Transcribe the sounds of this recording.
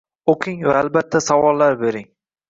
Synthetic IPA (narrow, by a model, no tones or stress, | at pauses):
oqʰɪŋvaːlbat̪ʰːasavɒlˠːaɾbeɾɪŋ